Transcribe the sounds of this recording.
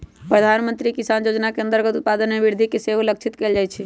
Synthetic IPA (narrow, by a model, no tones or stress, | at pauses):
pɾəd̪ʱanmənt̪ɾikisanjod͡ʒnakeənt̪əɾɡət̪ut̪̚pad̪ənmebiɾd̪ʱikeseɦlək̚t͡ʃʰit̪keld͡ʒajt͡ʃʰɛ